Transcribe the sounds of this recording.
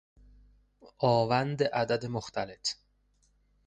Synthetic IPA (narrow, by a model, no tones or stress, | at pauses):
ʔɒːvænd̪eʔæd̪æd̪emoxt̪ʰæle̞t̪ʰ